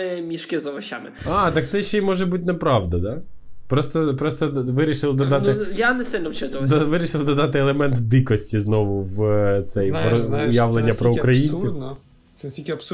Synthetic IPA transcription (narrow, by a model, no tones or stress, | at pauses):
ɪmʲiʃkʲɪzɔʋɐʃa̰mɪɑt̪ɑk̚t̪sɛjʃt͡ʃːɛimɔʒɛbutʲnepɾɑʋd̪ɐd̪ɑ | pɾɔst̪ɔpɾɔst̪ɔʋɪɾʲiʃɪlˠd̪ɔd̪ɑt̪ɪjanɛsɪlʲnɔwt͡ʃɪt̪ʊʋd̪ɔʋɪɾʲiʃɪlˠd̪ɔd̪ɑt̪ɪɛlˠemɛnt̪d̪ɪkɔsʲtʲiznɔʋʊʋt̪sɛjpʊjɑʋlˠenʲːɐpɾɔukɾɐjʲinʲt͡sʲin | sɛsʲtʲikʲiɐps